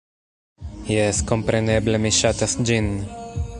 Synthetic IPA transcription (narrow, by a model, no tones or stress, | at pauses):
jɛskompɾenɛblemiʃat̪asd͡ʒin